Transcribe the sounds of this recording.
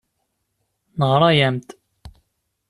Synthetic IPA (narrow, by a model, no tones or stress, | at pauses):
nəʁɾˤɑjæmt̪